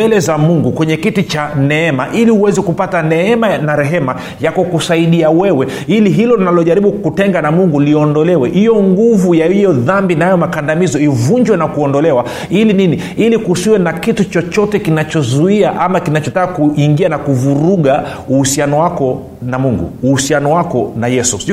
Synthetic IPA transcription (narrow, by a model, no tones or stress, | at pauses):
ɛlɛzamuŋɡukwɛɲɛkitit͡ʃanɛɛmaʔiliuwɛzɛkupatanɛɛmanaɾɛɦɛma | jakɔkusaiɗiawɛwɛ | iliɦilɔinalɔʄaɾiɓukutɛŋɡanamuŋɡuliɔndɔlɛwɛhijɔŋɡuvujahijɔðambinaajɔmakandamizɔivuɲd͡ʒwɛnakuɔndɔlɛwa | ilinini | ilikusiwɛnakitut͡ʃɔt͡ʃɔtɛkinat͡ʃɔzuiaʔamakinat͡ʃɔtakakuʔiŋɡianakuvuɾuɠa | uhusianɔwakɔ | namuŋɡṵːhusianɔwakɔnajɛsu